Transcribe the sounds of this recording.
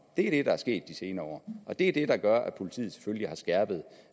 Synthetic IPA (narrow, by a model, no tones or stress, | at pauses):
d̥e̝æɐɾ̥e̝ɾɑ̈æɐsɡ̥e̝̰ːd̥ːise̝ːnɐɒ̰ːʔɒ̽d̥e̝æd̥e̝ɾ̥ɑ̈ɡ̥ɶɐʔæpʰo̝lit͡sʰḭːð̩ˠse̥føljihɑ̈sɡ̥æɐb̥ð̞̩ˠ